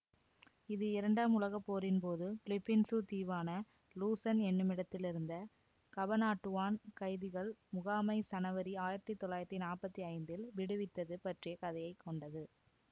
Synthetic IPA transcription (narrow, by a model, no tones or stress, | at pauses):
ɪðɯɪɾɐɳɖaːmʊlɐɣɐpːoːɾɪnpoːðɯplɪpːɪnsut̪iːʋaːnɐ | luːsɐnɛnːɯmɪɽɐt̪ːɪlɪɾɯnd̪ɐ | kɐbɐnaːʈːɯʋaːnkɐɪðɯɣɐɭmʊɣaːmɐɪsɐnɐʋɐɾiaːjɪɾɐt̪ːit̪ːɔɭːaːjɪɾɐt̪ːinaːrpɐt̪ːiɐɪnd̪ɪlʋɪɽɯʋɪt̪ːɐðɯpɐʈrɪjɐkɐðɐjɐɪkːɔɳɖɐðɯ